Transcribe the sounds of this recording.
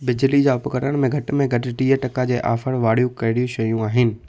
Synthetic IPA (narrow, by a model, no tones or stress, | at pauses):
bɪd͡ʑlid͡ʑaːʊpɐkəɾəɽ̃mẽɡʱɐʈɪmẽɡʱɐʈɪʈiːəʈɐkad͡ʑeːʔa̰ːfəɽʋaːɽijũkɐɪɽijũɕɐjũaːɦɪnɪ̆